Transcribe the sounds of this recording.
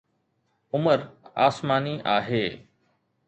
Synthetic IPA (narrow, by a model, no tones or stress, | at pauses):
ʊməɾa̰ːsmaːniːʔaːɦeː